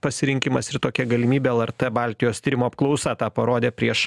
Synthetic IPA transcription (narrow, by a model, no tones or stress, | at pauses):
pɐsʲɪɾʲɪŋʲkʲɪmɐsɪɾt̪oːkʲɛɡɐlʲɪmʲiːbʲeːɛlˠɛɾt̪ɛbɑlʲt̪ʲɪjoːst̪ʲiːɾʲɪmoːɐp̚klˠɒʊsɑt̪ɑːpɐɾoːd̪ʲeːpʲɾʲiɛʃ